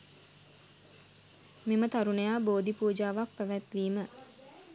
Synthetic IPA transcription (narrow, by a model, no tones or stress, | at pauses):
memət̪aɾunəjaːboːd̪ipuːd͡ʒaːʋak̚pæʋæt̪ʋiːmə